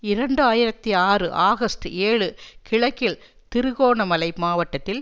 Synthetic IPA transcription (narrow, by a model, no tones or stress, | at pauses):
ɪɾɐɳɖɯaːjɪɾɐt̪ːiaːrɯʔaːɣɐsʈɯeːɻɯkʰɪɭɐkːɪɭ | t̪ɪɾɯɣoːɳɐmɐlɐɪmaːʋɐʈːɐt̪ːɪl